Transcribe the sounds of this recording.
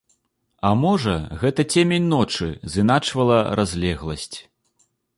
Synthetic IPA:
ɐmɔʐɐɣɛt̪ɐt͡sʲemʲenʲnɔt͡ʂɨzɨnat͡ʂvɐlˠɐɾʔazʲlʲɛɣlˠɐsʲt͡sʲ

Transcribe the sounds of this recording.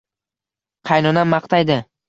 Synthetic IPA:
qʰɑjnɒnamɑqt̪ʰajd̪ɪ

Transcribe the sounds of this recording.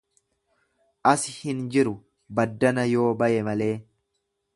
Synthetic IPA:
ʔɐsɪhɪnd͡ʒɪɾʊ | bɐd̪ːɐnɐjo̞ːbɐʔɛmɐle̞ː

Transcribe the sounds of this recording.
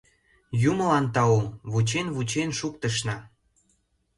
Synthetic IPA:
jumə̆lɑnt̪ɑuβut͡ɕenβut͡ɕenʃuk̚t̪ə̆ʃ̬nɑ

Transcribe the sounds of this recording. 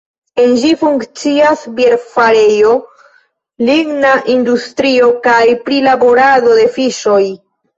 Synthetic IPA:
e̞nd͡ʒifuŋkt͡siasbje̞ɾfaɾe̞jo̞ | liɡnaʔindustɾio̞kajpɾilabo̞ɾado̞de̞fiʃo̞j

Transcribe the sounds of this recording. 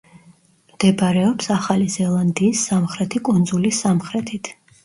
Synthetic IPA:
md̪̥ɛbaɾɛɔpsaχalizɛlˠand̪iːsːamχɾɛt̪ʰikʼund̪zulisamχɾɛt̪ʰit̪ʰ

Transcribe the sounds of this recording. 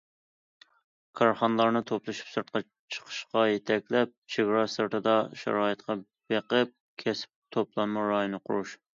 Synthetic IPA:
kʰɑɾχɑnlˠɑɾnɨt̪ʰoplˠɨʃi̥psɨɾt̪̚qɑ | t͡ʃʰə̥qʰə̥ʃqɑjet̪ʰɛkʲlɛp̚t͡ʃʰeɡɾɑsɨɾt̪ʰɨd̪ɑʃæ̰ɾɑːɨt̪qʰɑ | b̥eqəp̚ | kʲʰɛsɪ̥p̚t̪ʰoplˠɑnmuɾɑjonɨqʰʊ̰ɾuʃ

